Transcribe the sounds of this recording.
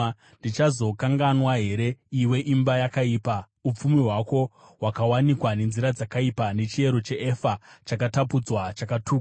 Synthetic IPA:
ndit͡ʃazo̞kaŋɡanwaɦe̞ɾe̞iwe̞ʔimbajakaiːpa | up͡fumiɦwako̞wakawanikwane̞nziɾad͡zakaipane̞t͡ʃie̞ɾo̞t͡ʃe̞ʔefat͡ʃakatapud͡zwat͡ʃakatʰuː

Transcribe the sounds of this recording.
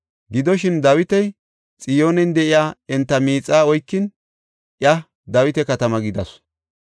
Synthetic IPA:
ɡɪd̪ɔʃɪnd̪ɐwɪt̪ɛj | t͡sʼɪjo̞ːnɛnd̪ɛʔɪjaːɛnt̪ːɐmiːt͡sʼːaːɔjkːɪn | ʔjɐ | d̪ɐwɪt̪ɛkɐt̪ɐmɐɡɪd̪ɐs

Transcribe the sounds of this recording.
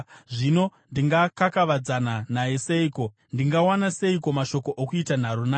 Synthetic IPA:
ʐino̞ndiŋɡakakaʋad͡zananaje̞seiko̞ | ndiŋɡawanase̞iko̞maʃo̞ko̞ʔokuitan̤aɾunaː

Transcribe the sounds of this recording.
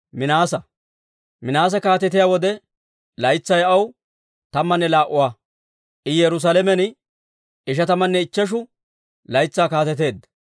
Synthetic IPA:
mɪnaːsɐ | mɪnaːs̬ɐkaːt̪ɛt̪ɪjawɔd̪ɛ | lɐjt͡sːɐjɐw | t̪ɐmːɐnːɛlaːʔʊwaː | ʔɪjɛɾʊs̬aːlɛmɛnɪ | ɪʃɐt̪ɐmːɐnːɛɪt͡ʃːɐʃ̬ʊ | lɐjt͡sːaːkaːt̪ɛt̪̬e̞ːd̪ɐ

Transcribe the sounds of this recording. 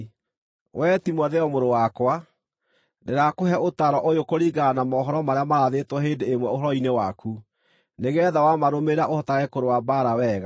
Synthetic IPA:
wɛtimwɛðɛɔmoɾowakwa | deɾakoɦɛotaɾɔʔojokoɾiɡanamɔːɦɔɾɔmaɾeamaɾaðetwɔɦeːndeːmwɛoɦɔɾɔinewakʰu | neɣɛðawamaɾomeɾaʔohɔtaɣɛkoɾowabaɾawɛːɣa

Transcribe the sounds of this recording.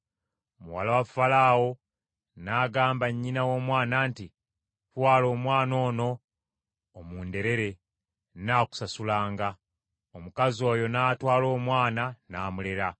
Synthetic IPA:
muwa̰lawafalawo̞ | naːɡaːmbaɲːinawo̞ːmwaːnaːnti | twaːlo̞ːmwaːno̞ːno̞ː | muːnde̞ɾe̞ɾe̞ | naːku̥sasulaːŋɡa | omukazo̞ːjo̞naːtwaːlo̞ːmwaːnanaːmuleɾa

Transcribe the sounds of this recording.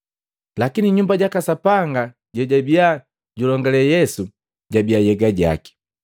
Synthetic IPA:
lakiniɲumbaɟakasapaŋɡa | ɟɔɟabia | ɟulɔŋɡɛlɛjɛsu | ɟabiajɛɡaɟa̰ki̥

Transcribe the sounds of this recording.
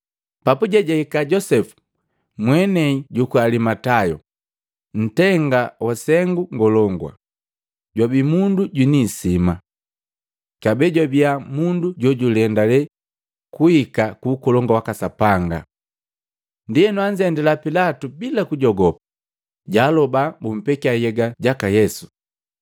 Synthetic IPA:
papuɟɛɟahikaɟɔsɛfu̥ | mwɛnɛiɟukualimatajɔ | n̩tɛŋɡawasɛŋɡuŋɡɔlɔŋɡwa̰ | ɟwabimunduɟwinisima | kabɛɟabiamunduɟɔɟulɛndalɛ | kuikakuːkɔlɔŋɡawakasapaŋɡa̰ | ndiɛnwaɲd͡ʒɛndɛlapilatubilakuɟɔɡɔpḁ | ɟaːlɔbabum̩pɛkiajɛɡaɟakajɛsu̥

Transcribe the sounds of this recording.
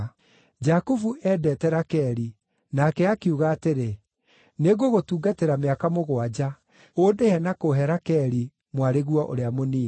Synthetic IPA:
d͡ʒakuvuʔɛdɛtɛɾakɛɾi | nakɛakiuɣaːteɾe | neɣoɣotuːɡateɾameakamoɣwad͡ʑa | oːdehɛnakoɦɛɾakɛɾi | mwaɾeɣuɔʔo̰ɾeamoniː

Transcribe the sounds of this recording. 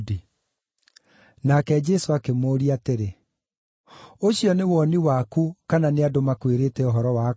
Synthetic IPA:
di | nakɛd͡ʒɛsoakemoːɾiateɾe | oɕiɔnewɔniwakukananeadomakweɾeːtɛɔɦɔɾɔwa

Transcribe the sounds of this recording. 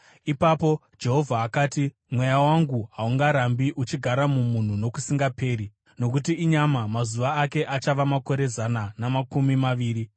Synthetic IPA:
ipapo̞ | d͡ʒe̞ɦo̞vʱaːkaːti | mwe̞jawaŋɡuɦauŋɡaɾambiʔut͡ʃiɡʱaɾamumun̤uno̞kusiŋɡape̞ːri | no̞k̬ut̬iːɲamamazuʋaːke̞ʔat͡ʃaʋamako̞ɾe̞zananamakumimaʋiːri

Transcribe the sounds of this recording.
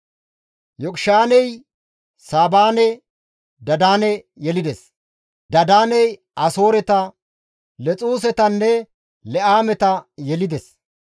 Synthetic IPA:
jɔkʼʃaːnɛj | saːbaːnɛ | d̪ɐd̪aːnɛ | jɛlɪd̪ɛs | d̪ɐd̪aːnɛj | ɐso̞ːɾɛt̪ɐ | lɛt͡sʼuːs̬ɛt̪ɐnːɛ | lɛʔaːmɛt̪ɐjɛlɪd̪ɛs

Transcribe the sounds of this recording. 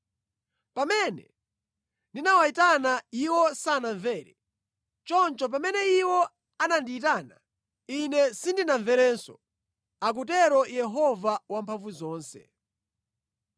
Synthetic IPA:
pamɛnɛ̰ | ndinawaitanaiwɔsanaɱvɛːɾɛ̰ | t͡ʃɔnt͡ʃɔp̬amɛnɛiwɔ | anandiːt̬aːna | inɛsindinaɱvɛɾɛːnsɔ̰ | ak̬utɛɾɔjɛɦɔvawampʰaɱvuzɔːnsɛ̰

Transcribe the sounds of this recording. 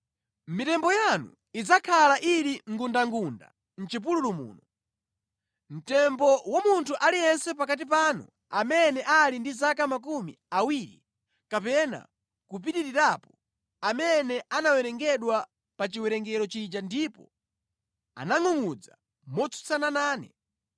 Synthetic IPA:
mitɛmbɔjanṵ | id͡zakʰalaʔiɾiŋɡundaŋɡunda̰ | n̩t͡ʃip̬ululumṵːnɔ | m̩tɛmbɔwamuntʰuʔalijɛnsɛpakat̬ipanṵ | amɛnɛʔalindizakamak̬umḭ | awiːɾḭ | kapɛna̰ | kup̬iɗiɾiɾapɔ | amɛnɛʔanawɛɾɛŋɡɛɗwa | pat͡ʃiwɛɾɛŋɡɛɾɔt͡ʃid͡ʒandipɔ̰ | a̰naŋuŋud͡za | mɔt͡sʰu̥t͡sananaːnɛ

